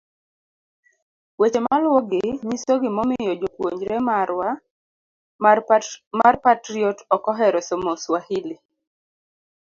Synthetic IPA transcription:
wet͡ʃemalwɔɡɪɲisoɡɪmɔmɪjɔd͡ʒokwoɲd͡ʒɾemaɾwa | marpatɾiɔtɔkɔɦɛɾɔsomoswahili

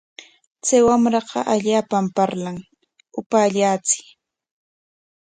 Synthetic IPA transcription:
t͡sajwamɾɑqɑ̰ʔaʎaːpampaɾlaŋ | ʊpaːʎaːt͡sɪ̥

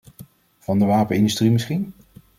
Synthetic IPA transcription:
v̥ɑndəʋaːpənɪndystrimɪsχin

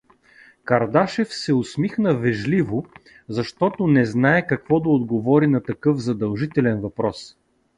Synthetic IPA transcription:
kɐɾd̪aʃɛfsɛʊsmixnəvɛʒlivʊ | zɐʃt̪ɔt̪ʊnɛznaɛkɐkvɔd̪ɐod̪ɡovɔɾinɐt̪ɐkɤfzɐd̪ɐlˠʒit̪ɛlɛnvɐpɾɔs

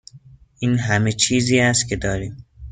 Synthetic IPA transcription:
ʔiːnɦæme̞t͡ʃʰiːziːæst̪̚cʰe̞d̪ɒːɾiːm

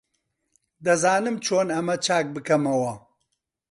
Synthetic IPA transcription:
d̪ɐzaːnɨmt͡ʃʰoːnɐmɐt͡ʃʰaːk̚bɨkɐmɐwɐ

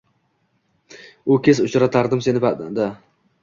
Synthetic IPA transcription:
ʊkʲʰesʊt͡ʃɾat̪ʰaɾd̪ɪmse̞nɪpad̪a

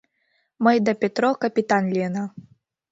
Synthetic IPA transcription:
mɐjd̪ɐpʲɛt̪ɾɔkɐpʲit̪anlʲɛnɐ

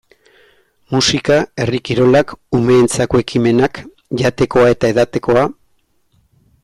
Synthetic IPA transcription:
musikae̞rikiɾo̞lakume̞ːnt͡sakoe̞kime̞nak | ʝat̪e̞ko̞ae̞t̪ae̞ðat̪e̞ko̞a

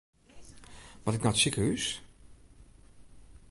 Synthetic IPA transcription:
ʋɔtɪk̚nɔtsikəhys

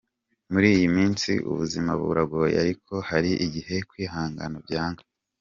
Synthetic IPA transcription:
muɾiːjimiːnsḭʔṵβuzimaβṵɾaɡoja̰ɾikʰo̞haɾiʔiɟihe̞kwiːɦaːŋɡa̰nabɟaːŋɡḁ

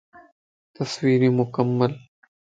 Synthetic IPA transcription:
t̪ɐswiːɾimʊkəmːəl

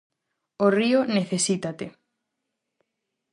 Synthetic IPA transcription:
orioneθesit̪at̪e

